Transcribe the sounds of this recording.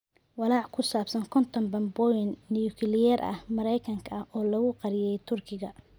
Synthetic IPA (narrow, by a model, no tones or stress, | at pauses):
wɑlɑːʕkʰʊsaːbsɐŋkʰɔnt̪ʰɐmbɐmbɔjɪnːɪjʊkʰɪlɪjɛɾʔɐ̰hmɐɾɛjkʰɐŋkʰɐɐhʔɔːlɐɣʊqɑɾɪjɛjt̪ʰʊrkʰɪɣɐ